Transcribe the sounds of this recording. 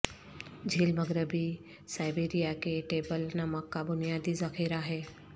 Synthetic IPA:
d͡ʒʱiːlməɡɾɪbi | saːɪbeːɾijakeʈeːbəlnɐməkːabʊnijaːd̪izɐxiːɾaɦɛː

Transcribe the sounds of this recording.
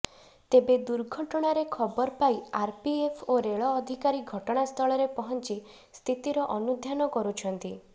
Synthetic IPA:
t̪ebed̪uɾɡʱɔʈɔɽ̃aɾekʰɔbɔɾpajaɾpiepʰoɾeɭɔːd̪ʱikaɾiɡʱɔʈɔɽ̃ast̪ʰɔɭɔɾepɔɦɔnt͡ʃi | st̪ʰit̪iɾɔʔɔnud̪ʱjanɔkɔɾut͡ʃʰɔnt̪i

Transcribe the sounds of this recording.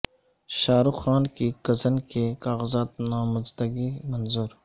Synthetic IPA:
ʃaːɾuxaːnkikɐzənkekaːɣəzaːt̪̚naːmɐzd̪əɡimɐnzuːɾ

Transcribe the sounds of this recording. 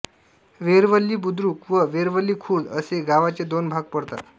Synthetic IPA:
ʋeɾʋəlːiːbud̪ɾukʋəʋeɾʋəlːiːkʰuːd̪əseɡaʋat͡sed̪onbʱaɡ̚pəɽt̪a̰t̪

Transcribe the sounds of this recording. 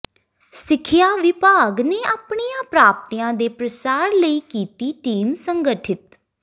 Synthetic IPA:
sɪkʰːɪjaːʋɪpaːɡneːaːpɳiːjãːpɾaːp̚t̪ijãːd̪eːpɾəsaːɾləiːkiːt̪iːʈiːmsəŋɡəʈʰɪt̪

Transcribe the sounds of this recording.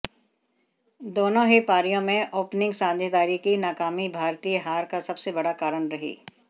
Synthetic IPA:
d̪oːnõɦepaːɾijõmẽʔoːpnɪ̃ŋɡsãːnd̪ʱjəd̪aːɾikinaːkaːmibʱaːɾt̪iːjɦaːɾkasɐbsebɐɽakaːɾəɳɾɐɦḭː

